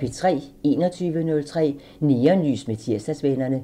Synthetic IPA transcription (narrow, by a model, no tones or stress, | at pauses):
e̝t͡sʰʁɛ̰ːe̝ːnɒt͡sʰyːʋənɔ̽lt͡sʰʁɛ̰ː | niːɐnly̰ːsmet͡sʰiɐsd̥æsʋenɐnə